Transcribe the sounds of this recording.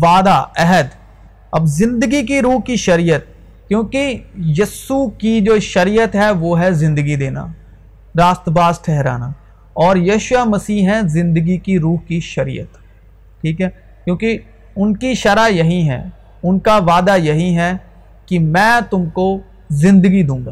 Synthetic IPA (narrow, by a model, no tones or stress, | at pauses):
ʋaːd̪aɛɦəd̪ | ɐbzɪ̃nd̪əɡik̬iɾuːɦkiʃɐɾijət̪̚ | kjõːkijɐsukid͡ʒoːʃɐɾijət̪ɦɛʋoːɦɛzɪ̃nd̪əɡid̪eːna̰ː | ɾaːst̪əbaːzʈʰɛɦɾa̰ːnaː | ɔːɾjɐːʃwamɐsiːɦɦɛ̃zɪ̃nd̪əɡikiɾuːɦkiʃɐɾḭːə̰t̪ | ʈʰiːkɦɛː | kjõːki | ʊnkiʃɐɾajɐɦĩɦɛ̰ː | ʊnkaʋaːd̪ajɐɦĩɦɛ | kimɛ̃ːt̪ʊmko | zɪ̃nd̪əɡid̪ũːŋɡaː